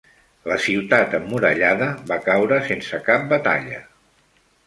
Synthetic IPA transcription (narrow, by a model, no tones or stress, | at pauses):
ləsiwt̪at̪əmːuɾə̰ʎaðəβakawɾəsensəkap̚bət̪a̰ʎə̰